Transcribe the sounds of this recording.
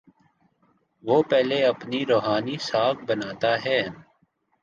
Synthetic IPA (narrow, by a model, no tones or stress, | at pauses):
ʋoːpɛːleɐpniɾoːɦaːnisaːk̚bɐnaːt̪aɦɛː